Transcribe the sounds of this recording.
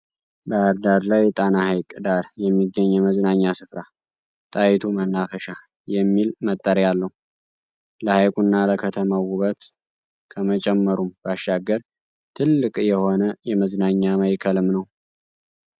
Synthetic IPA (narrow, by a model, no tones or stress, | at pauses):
bəaɾd̪aɾlajt̪ʼanahajkʼd̪aɾjɛmːiɡːəɲːɛməznaɲːasɨfɾa | t̪ʼajit̪ʰumənːafəʃa | jɛmːilmət̪ʼːəɾjalːəhu | ləhajkʼunːaləkʰət̪ʰəmawuβət̪ | kʰəmət͡ʃʼɛmːəɾumbaʃːaɡəɾ | t̪ʰɨlːɨkʼjɛho̞nəjɛməznaɲːaməjkʰəlɨmnəw